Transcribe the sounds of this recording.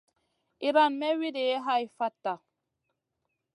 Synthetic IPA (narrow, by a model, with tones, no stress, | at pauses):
i˨ɾa˦˨nmɛ˦wi˦de˨jɛ˦ɦa˦i˨fa˦tːa˨